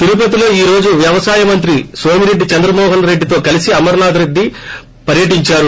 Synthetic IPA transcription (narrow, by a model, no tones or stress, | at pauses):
t̪iɾup̬ɐt̪ilo̞ːiːɾo̞ːd͡ʒuʋjɐʋɐsaːjɐmɐnt̪ɾisʋoːmiɾe̞ɖːit͡ʃɐnd̪ɾɐmɔːɦɐnɾe̞ɖːit̪oːkɐlisiɐmɐɾnaːd̪ɾed̪ːi | pɐɾjɐʈiɲt͡ʃaːɾu